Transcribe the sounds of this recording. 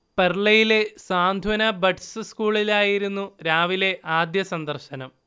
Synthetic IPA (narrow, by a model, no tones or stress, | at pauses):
pɐrɭɐjile̞saːnd̪ʱwɐnɐbɐʈsɨskuːɭilaːjiɾunːuɾaːʋile̞ʔaːd̪jɐsɐnd̪ɐrɕɐnɐm